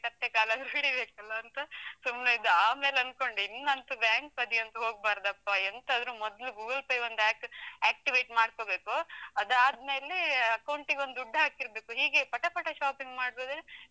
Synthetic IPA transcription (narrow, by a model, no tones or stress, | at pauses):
kɐt̪ːekaːlɐɐd̪ɾuɦiɽibeːkɐlːɐːnt̪ɐsumnɐid̪uaːmeːlɐnko̞ɳɖinːɐnt̪ubjaːŋkpɐd̪ijɐnt̪ɐɦo̞ːɡ̚baːɾd̪ɐpːɐɐnt̪ɐɐd̪ɐɾumɔd̪ɐluɡuːɡɐlplejond̪aːkæːk̚ʈiʋeːʈmaːɽkobe̞ːkuɐd̪aːd̪me̞ːleɐkɐwɳʈiɡeo̞nd̪uɖːɐɦaːkiɾbe̞ːkuɦiːɡe̞pɐʈɐpɐʈɐʃaːpiŋɡmaːɽboːd̪ɾe